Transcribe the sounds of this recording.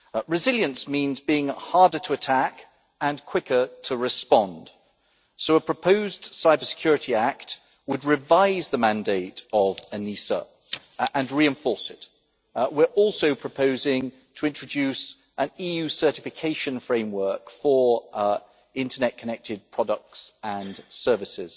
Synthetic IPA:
ɹɨzɪlˠjə̃nsmĩnzbiɪ̃ŋhɑɹdə˞tʰəətʰæk | ə̃nkʰw̥ɪkə˞tʰəɹɨspɑ̃nd̥ | soʊəpʰɹ̥əpʰəʊzd̥saɪbəsɪ̥kʰj̥ɔɹɨɾiækt̚ | wəd̚ɹɪvaɪzðəmæ̃ndeɪtəvənisə̰ | ʔə̃nɹiɨ̃ɱfɔɹsɪt | wɪɹʔɔˑlˠsoʊpʰɹ̥əpʰəʊzɪ̃ŋ | tʰəɪ̃nt͡ʃɹ̥əd͡ʒʉˑs | ʔə̃niːjʉsɜ˞tɪfɪkʰeɪʃə̃nfɹẽɪ̃mwɜˑ˞kfə˞ | ɪ̃ntʰənɛʔ̚kʰənɛk̚tʰɪd̚pʰɹ̥ɒdək̚tsə̃nsɜ˞vɨsɪz̥

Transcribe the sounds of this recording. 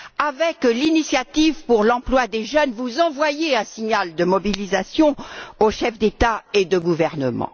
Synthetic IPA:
avɛklinisjat̪ivpuʁlɑ̃plwad̪eʒœnvuzɑ̃vwajeɛ̃siɲald̪əmɔbilizasjɔ̃oʃɛfd̪et̪aed̪əɡuvɛʁnəmɑ̰̃

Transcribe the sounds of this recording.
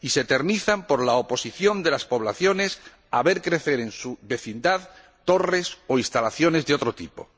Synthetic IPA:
ise̞t̪e̞ɾniθampo̞ɾlaopo̞siθjo̞nd̪e̞laspo̞β̞laθjo̞ne̞s | aβe̞ɾkɾe̞θe̞ɾe̞nsuβe̞θind̪að | t̪o̞re̞so̞ist̪alaθjo̞ne̞zðeo̞t̪ɾo̞t̪ipo̞̰

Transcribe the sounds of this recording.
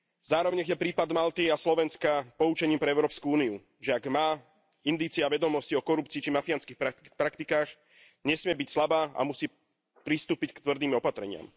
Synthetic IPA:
zaːɾɔʋɛɲɛxjɛpɾiːpad̪malt̪iaslɔʋɛnskapɔut͡ʃɛɲiːmpɾɛɛʊɾɔːpskuuːniu | ʒɛaɡmaː | ind̪iːt͡sɪaʋɛd̪ɔmɔsciɔkɔɾupt͡siːt͡ʃimafianskixpapɾakt̪ikaːx | ɲɛsmɪɛbicslabaːa̰musiː | pɾist̪uːpickt̪ʋr̩d̪iːmɔpat̪ɾɛɲɪa̰m

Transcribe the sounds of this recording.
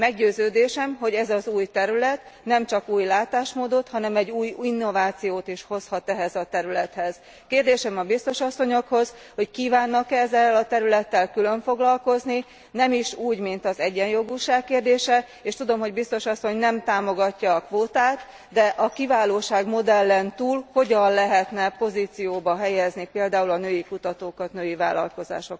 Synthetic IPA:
mɛɡɟøːzøːd̪eːʃɛmɦo̞ɟɛzɒzuːjt̪ɛɾylɛt̪nɛmt͡ʃɒkuːjlaːt̪aːʃmoːd̪o̞t̪hɒnɛmɛɟːuːjinːo̞vaːt̪sijoːt̪iʃho̞shɒt̪ɛɦɛzɒt̪ɛɾylɛt̪hɛz̥ | keːrd̪eːʃɛmɒbist̪o̞ʃɒsːo̞ɲo̞kho̞z | ho̞ckiːvaːnːɒkɛzːɛlɒt̪ɛɾylɛt̪ːɛlkylø̞ɱfo̞ɡlɒlko̞zni | nɛmiʃuːɟmint̪ɒzɛɟːɛnjo̞ɡuʃaːkkeːrd̪eːʃɛ | eːʃt̪ud̪o̞mɦo̞ɟbist̪o̞ʃɒsːo̞ɲnɛmt̪aːmo̞ɡɒcːɒːkʋoːt̪aːt̪ | d̪ɛʔɒkivaːloːʃaːɡmo̞d̪ɛlːɛnt̪uːlho̞ɟɒnlɛɦɛt̪nɛpo̞ziːt̪sijoːbɒɦɛjɛznipeːld̪aːulɒnøːjikut̪ɒt̪oːkɒt̪nøːjiva̰ːlɒ̰lko̞za̰ːʃo̞k

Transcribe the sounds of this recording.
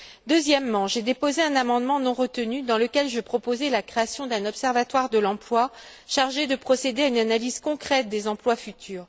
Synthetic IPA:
d̪øzjɛmːɑ̃ʒed̪epozeɛ̃namɑ̃d̪mɑ̃nɔ̃ʁət̪ənyd̪ɑ̃ləkʲɛlʒəpχɔpozɛlakχeasjɔ̃d̪ɛ̃nɔpsɛʁvat̪waʁd̪əlɑ̃plwa | ʃaʁʒed̪əpχɔsed̪eaynanaliz̥kɔ̃kχɛt̪̚d̪ezɑ̃plwafyt̪ʰyːʁ

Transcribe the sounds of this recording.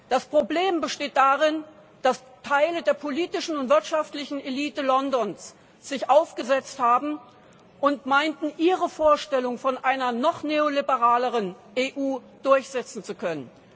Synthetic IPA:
d̥aspʁ̥obleːmbəʃteːt̚d̥aʁɪn | d̥as | tʰaɪlədeːɐpʰoliːtɪʃn̩ʊntv̥ɪɐtʃaftlɪçn̩eliːtəlɔndɔns | z̥ɪçʔaʊfɡ̥əzɛt͡sthaːbm̩ | ʔʊntmaɪntn̩ʔiːʁəfoːɐʃtɛlʊŋfɔnʔaɪnɐnɔχneːolibəʁaːləʁən | ʔeːʔuː | d̥ʊɐçz̥ɛt͡sn̩t͡sukʰœnən

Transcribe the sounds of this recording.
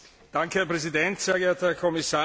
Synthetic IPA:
d̥aŋkəhɛɐpʁ̥ɛzidɛntseːɐɡeeɐthɛɐkʰɔmɪsaː

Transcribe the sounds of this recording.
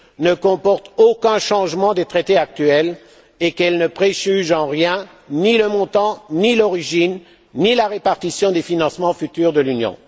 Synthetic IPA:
nəkɔ̃pɔʁt̪okɛ̃ʃɑ̃ʒmɑ̃d̪et̪χet̪eak̚t̪ɥɛl | ekɛlnəpχeʒyʒɑ̃ʁjɛ̃ | niləmɔ̃t̪ɑ̃nilɔʁiʒinː | ilaʁepaʁt̪isjɔ̃d̪efinɑ̃smɑ̃fyt̪yʁd̪əlynjɔ̰̃

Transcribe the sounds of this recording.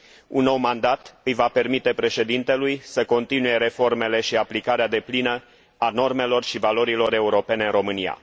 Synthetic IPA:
unːo̞wmand̪at̪ɨjvape̞rmit̪e̞pɾe̞ʃe̞d̪int̪e̞lujsəko̞nt̪inuje̞ɾe̞fo̞rme̞le̞ʃiaplikaɾead̪e̞plinə | ano̞rme̞lo̞rʃivalo̞ɾilo̞ɾe̞uɾo̞pe̞neɨnro̞mɨnia̰

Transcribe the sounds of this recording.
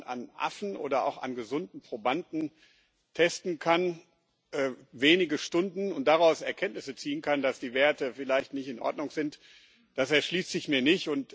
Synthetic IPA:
na̰nʔa̰fn̩ʔo̰ːdɐa̰ʊxa̰nɡəzʊndn̩pʁ̥obandn̩ | tʰɛstn̩kʰan | ʔɛːveːnɪɡəʃtʊndn̩ʊntd̥aʁaʊsɛɐkʰɛntnɪsət͡siːənkʰandasd̥iːveːɐtəfɪlaɪçtnɪçtɪnʔɔ̰ɐdnʊŋz̥ɪnt | d̥asɛɐʃliːstɪçmiːɐnɪçtʊnt

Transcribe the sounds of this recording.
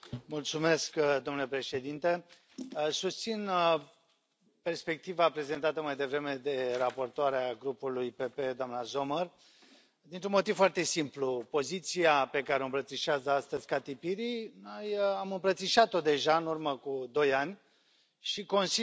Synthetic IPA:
mult̪sume̞skd̪omnule̞pɾe̞ʃe̞d̪int̪e̞ | sust̪sin | pe̞rspe̞k̚t̪ivapɾe̞ze̞nt̪at̪əmajd̪e̞vɾe̞me̞d̪e̞rapo̞rt̪oaɾeaɡɾupulujpepe̞d̪oamnazo̞mər | d̪int̪ɾunmo̞t̪ivfoart̪e̞simplupo̞zit̪siape̞kaɾeoɨmpɾət̪siʃeazəast̪əzʲkat̪ipiɾino̞jamɨmpɾət̪siʃat̪o̞d̪e̞ʒaɨnurməkud̪o̞janʲ | ʃiko̞nsi

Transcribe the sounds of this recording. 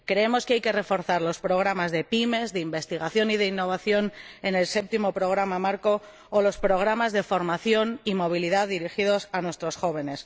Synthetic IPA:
kɾe̞emo̞skeajke̞re̞fo̞ɾθaɾlo̞spɾo̞ɣ̞ɾamazðe̞pime̞zðeimbe̞st̪iɣ̞aθjo̞nið̞einːo̞β̞aθjo̞ne̞ne̞lse̞p̚t̪imo̞pɾo̞ɣ̞ɾamamaɾko̞ː | lo̞spɾo̞ɣ̞ɾamazðe̞fo̞ɾmaθjo̞nimo̞β̞iliðaððiɾixiðo̞sanwest̪ɾo̞sxo̞β̞e̞ne̞s

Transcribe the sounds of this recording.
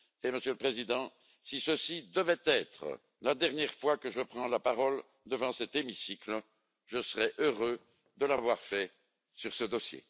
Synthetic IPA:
eməsjøləpχezid̪ɑ̃ | sisəsid̪əvɛt̪ɛt̪χə̰ | lad̪ɛʁnjɛʁfwakəʒəpχɑ̃lapaʁɔl | d̪əvɑ̃sɛt̪emisiklə | ʒəsəʁɛʔøʁø | d̪əlavwaʁfɛ | syʁsəd̪ɔsjḛ

